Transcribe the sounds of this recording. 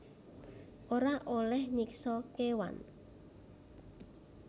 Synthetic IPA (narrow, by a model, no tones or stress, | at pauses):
ʔoɾaʔolɛhɲiksɔkewa̰n